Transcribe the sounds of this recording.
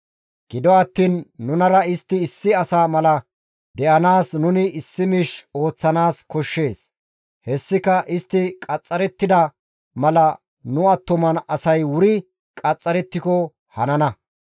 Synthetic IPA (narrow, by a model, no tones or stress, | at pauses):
ɡ̥ɪd̪ɔɐt̪ːiːnːʊnɐɾɐɪst̪ːɪːsːɪɐsamɐlɐ | d̪ɛʔɐnaːsnʊnɪɪsːɪmɪʃo̞ːt͡sːɐnaːskɔʃːe̞ːs | hɛsːɪkɐʔɪst̪ːɪkʼɐt͡sʼːɐɾɛt̪ːɪd̪ɐ | mɐlɐ | nʊɐt̪ːɔmɐnɐsɐjwʊɾɪ | kʼɐt͡sʼːɐɾɛt̪ːɪkɔ | hɐnɐnɐ